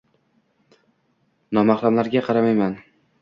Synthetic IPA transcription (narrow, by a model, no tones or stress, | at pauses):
nɒmɑχlˠamlaɾɡʲaqʰɑɾamajman